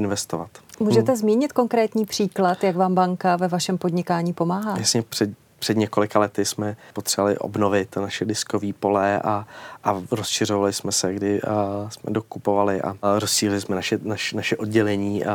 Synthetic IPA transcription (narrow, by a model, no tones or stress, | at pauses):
ɪnvɛst̪ovat̪muːʒɛt̪ɛzmiːɲɪt̪ko̞ŋkɾɛːt̪ɲiːpr̥iːklat̪jaɡvaːmbaŋkavɛvaʃɛmpod̪ɲɪkaːɲiːpo̞maːɦaːjasɲɛpr̥ɛd | pr̝̥ɛd̪ɲɛko̞lɪkalɛt̪ɪsmɛpot̪r̥ɛvalɪ̰ʔo̰bnovɪt̪naʃɛdɪskoviːpo̞lɛʔaʔaɾosʃɪr̝ovalɪsmɛsɛɡdɪsmɛ̰do̞kupovalɪʔa̰ɾosʃiːlɪlɪsmɛnaʃɛnaʃnaʃɛʔo̞d̚ɟɛlɛɲiːʔa̰